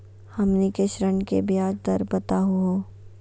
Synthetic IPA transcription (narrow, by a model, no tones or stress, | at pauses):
hɐmnikeʃɾəɳkebiaːd͡ʒd̪ɐɾbɐt̪aɦuɦoː